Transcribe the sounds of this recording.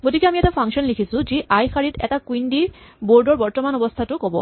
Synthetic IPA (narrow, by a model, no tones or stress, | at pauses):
ɡotikeamiɛtapʰaŋkʃɔnlikʰisũd͡ʑiʔajkʰaɹitɛ̰takwindiboɹɖɔɹbɔɹtɔmanɔbost̪ʰatʊkɔbɔ̰